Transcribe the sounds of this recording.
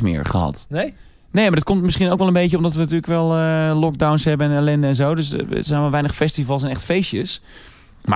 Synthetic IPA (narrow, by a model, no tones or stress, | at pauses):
mɪ̰əɹχə̰ɦɑ̰t | nejmadɔt̚kɔmtmɪsχinowkʋɛlˠənbejcəɔmdɔtʋəntyːləkʋɛlˠəlɔɡ̚dawnsɦɛbəɛnɛlɛndəɛnzowdøsə̰tsɛnʋalˠʋɛjnəχfɛstivɑlˠsɛnɛ̰χtfejsjəs | ma